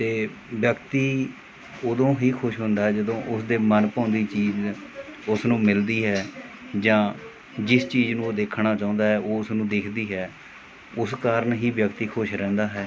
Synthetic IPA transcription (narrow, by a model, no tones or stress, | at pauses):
t̪eːʋjəkt̪iː | oːd̪õːɦiːkʰʊʃɦʊ̃nd̪aːɦɛːd͡ʒəd̪õːʔʊsd̪eːmənpãːnd̪iːt͡ʃiːd͡ʒ | ʊsnũːmɪld̪iːɦɛː | d͡ʒãː | d͡ʒɪst͡ʃiːd͡ʒnũːoːd̪eːkʰɳaːt͡ʃãːnd̪aːɦɛːʔoːʊsnũːd̪ɪkʰd̪iːɦɛː | ʊskaːɾəɳɦiːʋjəkt̪iːkʰʊʃɾɛ̃ːnd̪aːɦɛː